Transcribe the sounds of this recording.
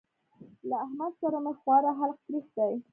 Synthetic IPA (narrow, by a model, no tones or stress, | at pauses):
laːhmad̪saɾamexwɑɾaɦalq̚p̪ɾixd̪aj